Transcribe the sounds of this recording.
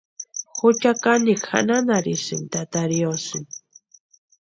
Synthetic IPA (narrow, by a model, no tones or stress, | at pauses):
xʊt͡ʃakanikʰa̰nanaɾisɨnt̪at̪aɾjosɨn